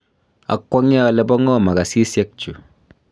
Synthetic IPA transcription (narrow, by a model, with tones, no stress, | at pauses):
a̰˨kːwɔ˦ŋ˦a˦˨le˦bɔ˦ŋɔ˦˨ma˨ka˨si˦sjɛ˦k̚t͡ʃu˨